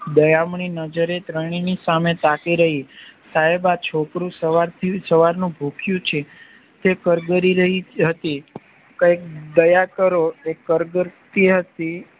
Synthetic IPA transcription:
d̪əjamɳ̃inəd͡ʒəɾet̪ɾəɳ̃inisamet̪akiɾəɦisaɦebat͡ʃʰokɾũsəʋaɾt̪ʰisəʋaɾnũbʱukʰjũt͡ʃʰe | t̪ekəɾɡəɾiɾəɦiɦət̪i | kəjk̚d̪əjakəɾoekːəɾɡəɾt̪iɦət̪i

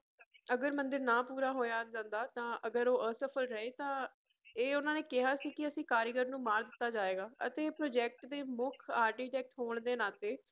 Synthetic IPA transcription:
əɡəɾmə̃nd̪ɪɾnãːpuːɾaːɦoːjaːd͡ʒãːnd̪aːt̪ãːʔəɡəɾoːʔəsəpʰəlɾəeːt̪ãː | eːʊnãːneːkɪɦaːsiːkɪəsĩːkaːɾɪɡəɾnũːmaːɾd̪ɪt̪ːaːd͡ʒaːʋeːɡaːʔət̪eːpɾoːd͡ʒɛːk̚ʈd̪eːmʊkʰaːɾʈiːʈɛːk̚ʈɦoːɳd̪eːnaːt̪eː

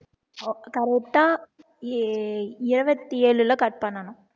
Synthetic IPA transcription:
kɐɾɛk̚ʈaː | ɪɾɯʋɐt̪ːieːɭɯlɐkɐʈ̚pɐɳːɐnʊ̃

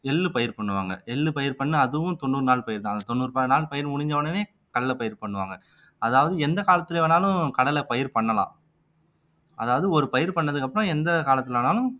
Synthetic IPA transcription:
ɛlːɯpɐjɪɾpɐɳːɯʋaːŋɡɐ̰ʔɛlːɯpɐjɪɾpɐɳːɯɐðɯʋʊ̃t̪ɔnːuːɾɯnaːlpɐjɪɾt̪ãɐnd̪ɐt̪ɔnːuːɾɯpɐnaːlpɐjɪɾmʊɳɪɲd͡ʒɐʋɐnɯneː | kɐɽɐlːɐpɐjɪɾpɐɳːɯʋa̰ːŋɡɐ | ɐðaːʋɐðɯɛnd̪ɐkaːlɐt̪ːɪlɛʋɐnaːlʊ̃kɐɽɐlɐpɐjɪɾpɐɳːɐlã̰ː | ʔɐ̰ðaːʋɐðɯɔɾɯpɐjɪɾpɐɳːɐðɯkːɐpːɯɾõɛnd̪ɐkaːlɐt̪ːɪlʋɐnaːlʊ̃

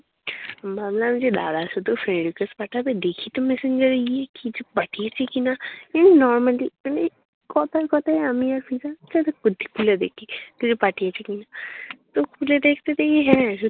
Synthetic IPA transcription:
maːmlamʊd͡ʒʱeɖa̰ːɽasod̪ofɾẽːɖɪkəspaʈʰabed̪eːkʰit̪omɛsɪ̃ɲd͡ʒəɾiɛkid͡ʒɐbbaʈiat͡ʃekinajaːninɔːɾməliani | kɔːt̪akɔːt̪aɛɐmiɔɾfʰizat͡ʃat̪ekʊd̪ːikʰuled̪eːkːit̪od͡ʒobaʈijat͡ʃikinat̪okʰuled̪eːkʰt̪et̪ʰeeɦɛ̃

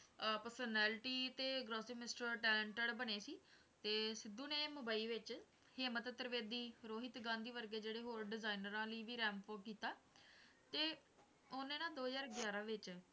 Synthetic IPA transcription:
pəɾsənɛːlʈiːt̪eːɡɾoːsiɡmɪsʈəɾʈɛːlɛ̃ɳʈəɽbəɳeːsiː | t̪eːsɪd̪ːuːneːmʊbaːiːʋɪt͡ʃ | heːmət̪ət̪ɾəʋeːd̪iːɾoːɦɪt̪ɡãːnd̪iːʋəɾɡeːd͡ʒeːɽeːɦoːɾɖɪzaːinəɾãːləiːʋiːɾɛːmpoːkiːt̪aː | t̪eː | onẽːnãːd̪oːɦəzaːɾɡjaːɾãːʋɪt͡ʃ

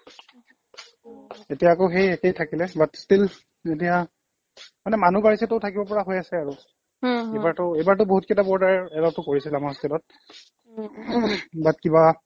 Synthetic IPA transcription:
etijaːkoxejɛkejtʰakilɛbatstil | etija | manɛmanubaɹisɛtʊʊtʰakibɔpɔɹaɦojasɛaɹʊ | ejbaɹtʊejbaɹtʊboɦut̚kɛtabɔɹdaɹɛlɔb̚tʊkoɹisilamastilɔt̚ | bat̚kiba

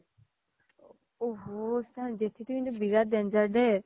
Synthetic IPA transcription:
oɦosãd͡ʒet̪ʰit̪ukĩnt̪ubiɾad̪ɛnd͡ʒaɾɖɛ

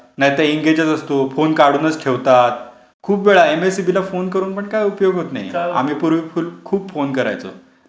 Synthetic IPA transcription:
najit̪əɾiŋɡed͡ʑət͡səst̪ofonkaɽuːnət͡skʰeʋt̪at̪̚ | kʰuːpʋeɭaemesibilafonkəɾuːnpəɳkaiupjoɡɦot̪na̰j̰a̰m̤iːpuɾʋifulkʰuːbfonkəɾa̰jt͡so̰

